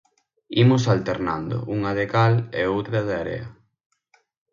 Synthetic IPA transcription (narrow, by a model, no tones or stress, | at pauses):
imʊsalt̪eɾna̰nd̪o̰ʔuŋaðekaleowt̪ɾɐðɪaɾḛɐ